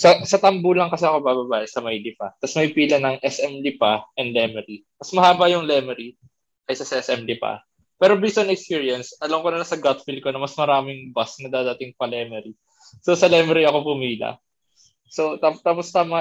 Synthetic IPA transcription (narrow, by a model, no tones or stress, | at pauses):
sɐsɐt̪ɐmbulɐŋkɐsɛɐko̞babɐbaːʔɛsɐmɐjlɪpɐt̪ɐsmɐjpiːlɐnɐŋʔɛsʔɛmlɪpaʔɛnd̪lɛmɛɾimɐsmɐhaːbɐjʊŋlɛːmɛɾi | kɐjsɐsɐʔɛsɛmlɪpɐ̰ | pɛːɾo̞bisɐnɛkspiːɹjɐnsʔɐlɐmkonɐlɐsɐɡat̪fil̚ko̞nɐmɐsmɐɾaːmɪŋbɐsnɐd̪aːd̪aːt̪ɪŋpɐlɛmɛɾi | so̞sɐlɛmɛɾiɐko̞pʊmiːlɐ̰ | so̞t̪at̪aːpost̪amɐ